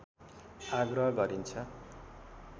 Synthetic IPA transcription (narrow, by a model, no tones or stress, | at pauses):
aɡrʌɦʌɡʌɾint͡sʰʌ